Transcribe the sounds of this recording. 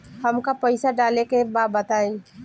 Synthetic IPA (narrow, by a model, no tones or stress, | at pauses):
hɐmkapəɪsaɖaːlekebaːd̪̚bɐt̪aːẽ